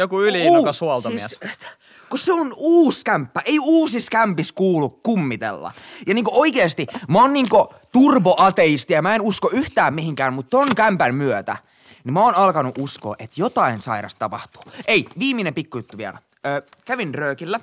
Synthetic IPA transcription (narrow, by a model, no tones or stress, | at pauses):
jokuyliokɑsuɑlt̪omisæ | koseonuːskæmpːæʔeiuːsiskæmpiskuːlukkumːit̪ḛlːɑ̰jɑniːŋkooikeːst̪imæoːnniːŋko | t̪urʋoʔɑt̪eist̪ijɑmæenuskoyht̪æːmmihiŋkæːmmut̪t̪oŋkæmpænmyøt̪æ̰ | nimæoːnɑlkɑnuʔusko̰ːʔet̪jot̪ɑinsɑ̰iɾɑ̰st̪ɑpɑht̪u̥ːeiʋiːminempikːujut̪ːuʋiæ̰læ | øːkæʋinrøːkilːæ